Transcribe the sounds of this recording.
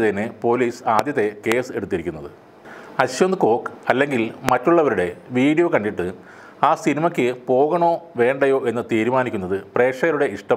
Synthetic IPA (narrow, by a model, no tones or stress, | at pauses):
t̪ɐnːepo̞ːliːsaːd̪jɐt̪ːe̞ke̞ːse̞ɽut̪ːiɾikʲːunːɐðɨ | ɐɕjond̪ɨko̞ːkɨɐlːe̞ŋɡilmɐtːuɭːɐʋɐɾuɽe̞ʋiːɽijokɐɳɖiʈːɨ | aːsinimɐkʲːɨpo̞ːɣɐɳo̞ːʋe̞ːɳɖɐjo̞ːʔe̞nːɨt̪iːɾumaːnikʲːunːɐðɨpre̞ːkʂɐɣɐɾuɽe̞ʔiʂʈɐ